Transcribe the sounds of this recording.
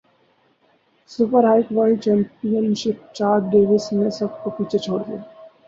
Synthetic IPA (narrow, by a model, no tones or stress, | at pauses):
sʊpəɾɦaːɪkʋɔːt͡ʃɛ̃ːmpijənʃɪp̚t͡ʃaːɾɖeːʋɪsmẽsɐb̚kopiːt͡ʃʰet͡ʃʰoːɽd̪ie